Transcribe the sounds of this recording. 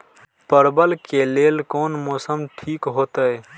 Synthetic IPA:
pəɾbəlkelelkoːnmoːsəmʈʰikɦoːt̪əj

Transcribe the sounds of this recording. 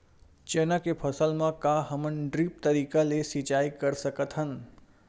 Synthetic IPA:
t͡ʃeːnakepʰɐsəlmãkaɦɐmənɖɾiːp̚t̪əɾiːkalesit͡ʃaːikəɾsəkət̪ɦən

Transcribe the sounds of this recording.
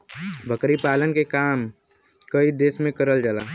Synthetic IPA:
bʱəkɾipaːlənkekaːm | kəid̪eːsmẽkəɾəld͡ʒəlaː

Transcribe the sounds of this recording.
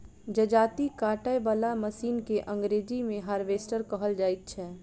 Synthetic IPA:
d͡ʒəd͡ʒaːt̪ikaːʈəjbəlaməsiːnkeʔə̃ŋɡɾeːd͡ʒimẽɦaːɾʋeːsʈəɾkəɦəld͡ʒaːɪt̪̚t͡ʃʰɛː

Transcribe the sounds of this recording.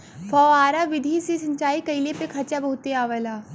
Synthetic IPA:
fʰɔːaːɾaʋɪd̪ʱisisɐ̃ɲt͡ʃaːikɐilepekʰɐt͡ʃabɐɦʊt̪ːeaːʋəlaː

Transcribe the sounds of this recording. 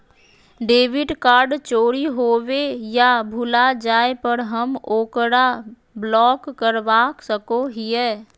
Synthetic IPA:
ɖeːʋɪɖkaːɾɖt͡ʃoːɾiɦoːwejabʱʊlad͡ʒaːepəɾɦəmoːkɾa | blɔːkːəɾʋaːksəkoɦiɛː

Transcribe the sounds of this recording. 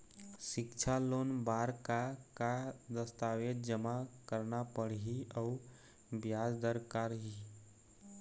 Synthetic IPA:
ʃɪkt͡ʃʰaloːnbaːɾkakad̪əst̪aːwet̪d͡ʒəmakəɾnapəɽɦiəʊ | bjaːd͡ʒd̪əɾkaːɾɦi

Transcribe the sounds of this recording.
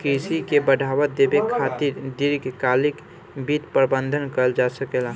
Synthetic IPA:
kɾisikebəɖʱabət̪d̪ebekʰat̪iɾd̪iɾɡkalik | bit̪pɾbə̃nd̪ʱənkəld͡ʒasəkela

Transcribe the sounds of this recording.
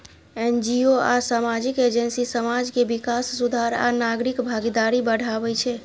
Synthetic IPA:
end͡ʒioasamad͡ʒiked͡ʒənsisəmad͡ʒkebikasːud̪ʱaɾa̰naɡɾikbʱaɡid̪aɾibəɽ̤abɛt͡ʃʰɛ

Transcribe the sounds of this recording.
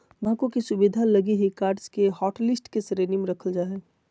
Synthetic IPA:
bãːkõkisʊbid̪ʱalɐɡiɦikaːɾɖskeɦɔːʈlɪsʈkesɾeːnimeɾɐkʰəld͡ʒaːɦe

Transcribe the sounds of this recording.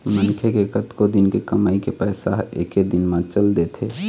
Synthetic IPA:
mənkʰekekət̪kod̪ɪnkekəmaːikepɛːsaɦḛːked̪ɪnmãt͡ʃəld̪et̪ʰeː

